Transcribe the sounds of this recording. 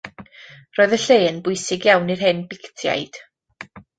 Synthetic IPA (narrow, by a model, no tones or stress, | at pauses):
roːjðəɬeːənbʊɨsɪɡjawnirɦɛnbɪktʰja̰jd̥